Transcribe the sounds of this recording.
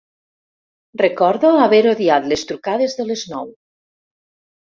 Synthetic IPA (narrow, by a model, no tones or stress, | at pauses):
rəkɔɾðoaβeɾoðiat̪lest̪ɾukaðezðəleznɔw